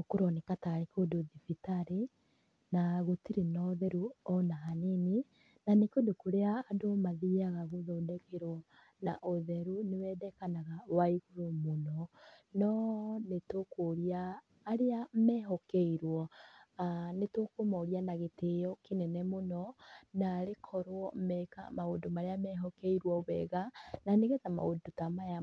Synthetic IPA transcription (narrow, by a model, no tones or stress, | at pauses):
okuɾɔnekataɾekodoðifitaɾe | naɣotiɾenɔːðɛɾuɔnaɦaneni | nanekodokoɾeaːdomaðiaɣaɣoðodɛkeɾwɔ | na̰ʔoðɛɾunewɛːdɛkanaɣawaiɣuɾomonɔnɔnetokoɾiaː | ɾeamɛːɦɔkeiɾwɔanetokomaoɾianaɣetejɔkenɛnɛmonɔnaːɾekʰɔɾwɔmɛka̰maodomaɾeamɛɦɔkeiɾwɔβɛɣananeɣɛtama̰odotamaja